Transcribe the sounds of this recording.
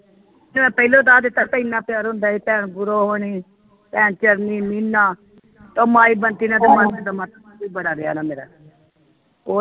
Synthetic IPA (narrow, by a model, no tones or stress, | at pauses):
mɛ̃ːpəilõːd̪aːd̪ɪt̪ːaːpəinãːpɪjaːɾɦʊ̃nd̪aːiːpɛːɳɡʊɾoːɦoːniː | pɛːnt͡ʃəɾniːmiːnːaː | t̪õːmaːiːbənt̪iːnãːt̪eːməɾnãːd̪aːmat̪ː | iːbəɽaːɾɪa̰ːnaːmeːɾa̰ː | oː